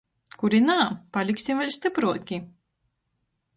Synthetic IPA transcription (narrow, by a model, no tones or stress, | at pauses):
kuɾinaːpalʲiksimvʲɛlʲst̪ɨpɾuɔkʲi